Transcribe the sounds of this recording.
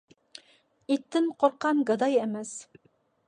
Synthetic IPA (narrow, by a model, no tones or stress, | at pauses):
it̪ːɘɴqŏɾqːɑnɡɤ̆d̪ɑjemæs